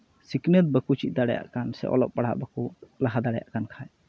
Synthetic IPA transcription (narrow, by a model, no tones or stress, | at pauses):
siknət̪̚bəkut͡ʃit̪̚ˀd̪aɽɛja̰ʔkansɛ̰ʔɔ̰lɔp̚paɽ̤a̰ʔbəkulaɦad̪aɽɛja̰ʔkankʰaj